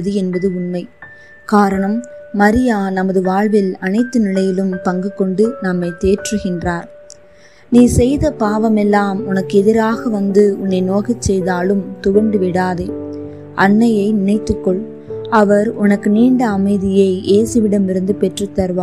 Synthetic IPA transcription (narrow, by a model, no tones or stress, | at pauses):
ðɯɛnbɐðɯʊnmɐɪ | kaːɾɐɳɐmːɐɾɪjaːnɐmɐðɯʋaːɻʋɪlɐnɐɪt̪ːɯnɪlɐjɪlɯmpɐŋɡɯkːɔɳɖɯnɐmːɐɪt̪eːʈrɯɣɪndraːɾ | niːsɛjðɐpaːʋɐmɛlːaːmʊnɐkːɯɛðɪɾaːɣɐʋɐnd̪ɯʊnːɐɪnoːɣɐt͡ʃːɛjðaːlɯmt̪ʊʋɐɳɖɯʋɪɽaːðeː | ʔɐnːɐjɐɪnɪnɐɪt̪ːɯkːɔɭ | ɐʋɐɾʊnɐkːɯniːɳɖɐːmɐɪðɪjɐɪʔeːsɯʋɪɽɐmɪɾɯnd̪ɯpɛʈrɐt̪ːɐɾʋaː